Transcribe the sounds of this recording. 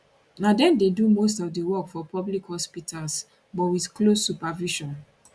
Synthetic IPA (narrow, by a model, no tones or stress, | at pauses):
nadɛ̃ndedumos̬tɔfdewɔkfɔpʰɔblikhɔspitʰals | bɔtwiθklosːupaviʃɔ̃n